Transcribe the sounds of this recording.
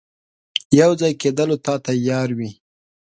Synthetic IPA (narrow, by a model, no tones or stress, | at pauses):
jawd͡zɑjked̪əlot̪ɑt̪ajɑɾwi